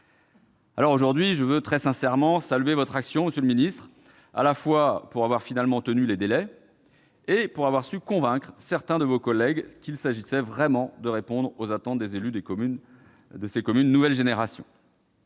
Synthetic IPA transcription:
a̰lɔʁoʒuʁd̪ɥiʒəvøt̪χɛsɛ̃sɛʁmɑ̃salɥevɔt̪χaksjɔ̃məsjøləminist̪χ | a̰lafwapuʁavwaʁfinalmɑ̃t̪ənyled̪elɛ | epuʁavwaʁsykɔ̃vɛ̃kχsɛʁt̪ɛ̃d̪əvokɔlɛɡkilsaʒisɛvʁɛmɑ̃d̪əʁepɔ̃d̪ʁozat̪ɑ̃t̪̚d̪ezelyd̪ekyn | d̪əsekɔmynːuvɛlʒeneʁasjɔ̰̃

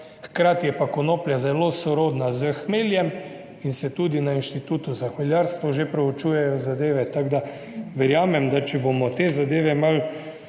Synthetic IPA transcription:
xkɾaːt̪jɛpakɔnoːpljazɛloːsɔɾoːd̪nazəxmeːljɛm | insɛt̪uːd̪inainʃt̪it̪uːt̪uzaxʋaljaɾst̪ʋɔʒepɾɛɔt͡ʃuːjɛjɔzad̪eːʋɛt̪aɡd̪a | ʋɛɾjaːmɛmd̪at͡ʃɛbomɔt̪eːzad̪eːʋɛmal

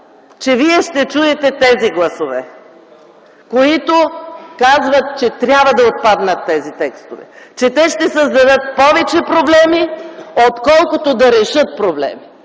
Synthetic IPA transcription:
t͡ʃɛviɛʃt̪ɛt͡ʃuɛt̪ɛt̪ɛziɡlˠɐsovɛ | koit̪okazvɐt̪̚t͡ʃɛt̪ɾʲjabvɐd̪ɐot̪̚pad̪nət̪ːɛzit̪ɛkst̪ovɛ̰t͡ʃɛt̪ɛʃt̪ɛsəzd̪ɐd̪ɤt̪̚pɔvɛt͡ʃɛpɾoblɛmiot̪kɔlˠkot̪od̪ɐɾɛʃɤt̪̚pɾoblɛ̰mi

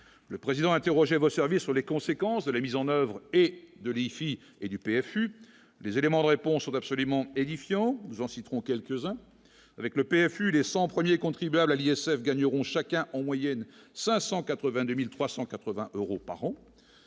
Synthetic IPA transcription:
ləpχezid̪ɑ̃ɛ̃t̪eʁɔʒɛvosɛʁvisːyʁlekɔ̃sekɑ̃sd̪əlamizɑ̃nœvʁed̪əlifi | ed̪ypeɛfy | lezelemɑ̃d̪əʁepɔ̃sːɔ̃t̪apsɔlymɑ̃ed̪ifjɑ̃nuzɑ̃sit̪χɔ̃kʲɛlkəzɛ̃ | avɛkləpeɛfylesɑ̃pχəmjekɔ̃t̪χibyablaliɛsɛfɡaɲəʁɔ̃ʃakɛ̃ʔɑ̃mwajɛnsɛ̃sɑ̃kat̪χəvɛ̃d̪ømilt̪χwasɑ̃kat̪χəvɛ̃ʔøʁopa̰ʁɑ̃

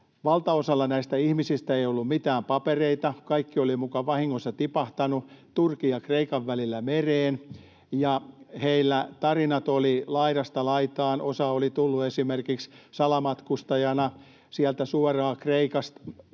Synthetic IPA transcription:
ʋɑlt̪ɑosɑlːɑnæist̪æihmisist̪æeiolːummit̪æːmpɑpereit̪ɑkɑikːiolimukɑʋɑhiŋːosːɑt̪ipɑht̪ɑnut̪urkiɑkreikɑʋːælilːæmereːn | jɑheilːæt̪ɑrinɑt̪olilɑiɾɑst̪ɑlɑit̪ɑːnʔosɑolit̪ulːuesimerkikssɑlɑmɑt̪kust̪ɑjɑnɑ | siælt̪æsuɔrɑːkreikɑst̪

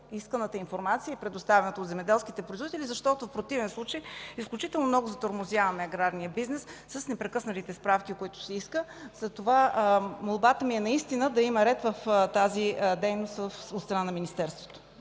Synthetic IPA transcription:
iskənət̪əinfoɾmat̪sijəipɾɛd̪ost̪avɛnət̪əotd̪zɛmɛd̪ɛlˠskit̪ɛpɾoizvodit̪ɛlʲizɐʃt̪ɔt̪ofpɾot̪ivɛnslˠut͡ʃəjisklʲut͡ʃit̪ɛlˠnomnɔɡʊzɐt̪oɾmozjavɐmɛɐɡɾaɾnijəbiznɛsːəsnɛpɾɛkɤsnət̪it̪ɛspɾafkiokoit̪ʊ̥sɛiskəzɐt̪ovamolˠbat̪əmiɛnɐist̪inəd̪ɐimɐɾɛt̪vəft̪azid̪ɛjnost̪vəfot̪st̪ɾɐnanɐminist̪ɛɾst̪vo̥t̪o̥

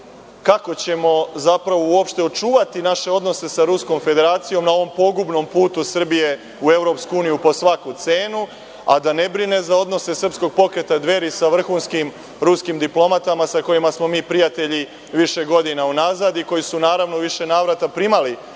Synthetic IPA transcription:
kako̞t͡ɕe̞mo̞zapɾaʋouo̞pʃt̪eo̞t͡ʃuːʋat̪inaʃe̞o̞d̪no̞se̞saɾusko̞mfe̞d̪e̞ɾaːt̪sijo̞mnao̞ʋo̞mpo̞ɡubno̞mpuːt̪usr̩bije̞ | ue̞vɾo̞pskuuːnijupo̞sʋakut̪se̞ːnu | a̰d̪ane̞bɾine̞zao̞d̪no̞se̞sr̩psko̞ɡ̚po̞kɾe̞t̪ad̪ʋe̞ɾisaʋr̩xuːnskim | ɾuskimd̪iplˠo̞mat̪amasako̞jimasmo̞miːpɾijat̪e̞ʎi | ʋiʃe̞ɡo̞d̪inaunazad̪iko̞jisunaːɾaʋno̞ʋiʃe̞naːʋɾat̪apɾimali

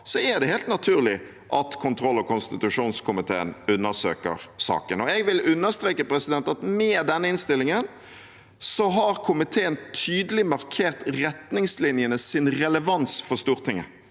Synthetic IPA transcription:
sɔæd̪ɛheːlt̪nɑt̪ʰʉːʁlɪ | ʔɑt̪kʰʊnt̪ʰɾɔlːɔkʰʊnst̪ɪt̪ʉʂuːnskʰʊmɪt̪ʰḛːənʉnːəsøːkə̰ɾsɑ̰ːkənɔɛɡʋɪlʉnːəʁst̪ɾeːkəpɾɛsɪd̪ɛnt̪ɑt̪mɛːd̪ɛnːəɪnst̪ɪlːɪŋən | sɔɦɑʁkʰʊmɪt̪ʰeːənt̪ʰyːd̪əlɪmɑʁkʰeːʁt̪ʁɛt̪nɪŋslɪnjənəsɪnʁɛləʋɑnsfɔst̪uːʁt̪ʰɪŋə

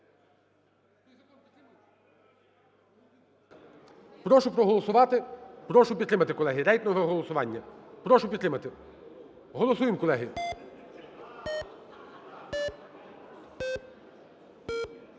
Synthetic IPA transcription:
pɾɔʃʊpɾɔɦɔlˠɔsʊʋɑt̪ɪpɾɔʃʊpʲid̪t̪ɾɪmɐt̪ɪkɔlˠɛɦɪɾɛjk̪nɔʋɐɦɔlˠɔsʊʋɑnʲːɐpɾɔʃʊpʲid̪t̪ɾɪmɐt̪ɪ | ɦɔlˠɔsujɪmkɔlˠɛɦɪ

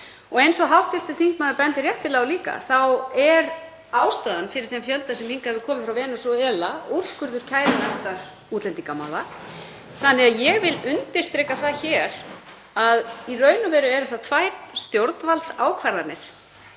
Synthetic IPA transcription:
ɔɣejnsɔɦawht̪fɪft̪ʏθiŋkmaːðʏpɛnt̪ɪɾrjɛht̪ːɪlɛɣɔliːka̰θawɛɾ | aːwst̪aːðanfɪɾɪɾ̥θɛmfjœlt̪asɛmhiŋkaɛvɪkʰɔːmɪfɾawvɛːnʏsɔɛːlaur̥skʏɾðʏɾ̥cʰaːjɾɪnat̪aɾ̥ | uːt̪lɛnt̪iŋkama̰wða | θanːɪɣaðjɛɣvɪlʏnt̪ɪɾ̥st̪ɾɛːkaθaçɛɾ | aðirœːɥnʏvɛːɾʏɛɾʏθat̪ʰvaːjt̪st̪jowɾt̪nvalt̪saːwkʰvaɾðanɪɾ̥

